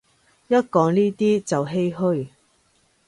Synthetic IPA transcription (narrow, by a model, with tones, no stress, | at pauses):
jɐ˥t̚kɔː˨˧ŋniː˥t̪iː˥t͡sɐ˨wɦe˥jɦɵ˥ɥ